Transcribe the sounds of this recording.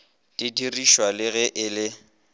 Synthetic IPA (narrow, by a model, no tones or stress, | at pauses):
tʼidiriʃwalɪɣɛʔɪlɪ